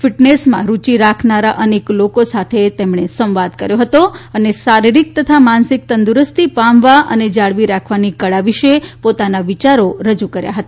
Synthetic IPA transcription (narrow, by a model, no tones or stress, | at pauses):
fiʈnesmã̰ɾut͡ʃiɾakʰnaɾaʔəneklokosat̪ʰet̪emɳesə̃mʋad̪kəɾjoɦət̪oənesaɾiɾik̚t̪ət̪ʰamansik̚t̪ənd̪uɾəst̪ʰipamʋaʔəned͡ʒaɭʋiɾakʰʋanikəɭaʋiʃepot̪anaʋit͡ʃaɾoɾəd͡ʒukəɾja̰ɦət̪a